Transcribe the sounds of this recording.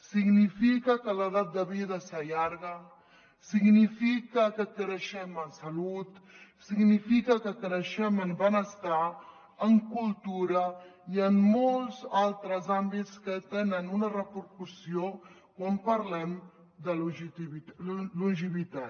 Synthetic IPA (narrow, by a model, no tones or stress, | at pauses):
siɡnifikəkələð̞at̪̚d̪əβið̞əsəʎaɾɣə | siɡnifikəkəkɾəʃɛmənsəlut̪ | siɡnifikəkəkɾəʃɛməmbənəst̪a | əŋkulˠt̪uɾəiəmːolˠzalˠt̪ɾəzambitskət̪enənunərəpəɾkusio | kwampəɾlɛm | d̪əluʒit̪iβiluʒiβit̪a